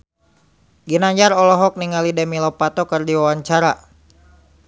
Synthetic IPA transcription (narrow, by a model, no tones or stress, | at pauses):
ɡinaɲd͡ʒaɾɔlɔɦɔk̚niŋalidɛmilɔpat̪ɔkərdiwawaɲt͡ʃaɾa